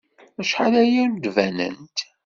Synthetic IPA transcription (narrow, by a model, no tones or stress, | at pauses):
æʃħalæjænd̪vænə̰nt̪